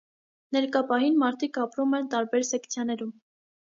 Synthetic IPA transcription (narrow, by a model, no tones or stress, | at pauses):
nɛɾkɑpɑɦinmɑɾt̪ʰikʰɑpɾumɛnt̪ɑɾbɛɾsɛkʰt͡sʰjɑnɛɾum